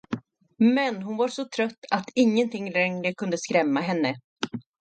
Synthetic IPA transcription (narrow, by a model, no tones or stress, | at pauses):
mɛnɦʊnvaɾʂɔt̪ʰɾœt̪ːat̪ɪŋːənt̪ʰɪŋːɾɛŋɾəkʰɵnd̪əskɾɛmːaɦɛnːə